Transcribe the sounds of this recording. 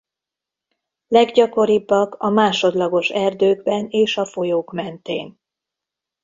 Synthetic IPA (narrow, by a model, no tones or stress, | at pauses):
lɛɡɟɒko̞ɾibːɒɡɒmaːʃo̞d̪lɒɡo̞ʃɛrd̪øːɡbɛneːʃɒfo̞joːkmɛnt̪ḛːn